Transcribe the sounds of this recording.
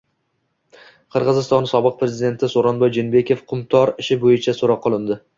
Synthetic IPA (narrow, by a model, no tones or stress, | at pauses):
qʰɨɾʁɨzɪst̪ɒnsɒbɨq̚pɾe̞zid̪e̞nt̪ʰɪsoɾɒnbɒjd͡ʒenbe̞kʲe̞fqʰʊmt̪ʰɒɾɪʃɪbojɪt͡ʃʰasoɾɒqːolˠɪnd̪ɪ